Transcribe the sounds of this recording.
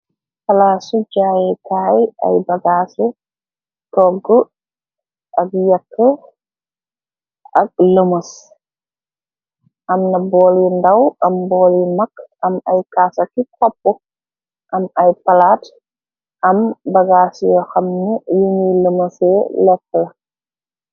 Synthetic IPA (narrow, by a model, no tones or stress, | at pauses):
pɐlaːsud͡ʒaːjɛkaːja̰jbɐɡaːsu | tɔɡə | ʔɐɡjakːə | ʔɐk̚ləmɐs | ʔɐmnɐbɔlindawʔɐmbɔːlimɐkːɐmɐjkaːsɐkːikɔp̚ːɔ | ʔɐmɐjpɐlaːt | ʔɐmbɐɡasjɔxɐmnijuniləmɐsɛlɛkːɐlɐ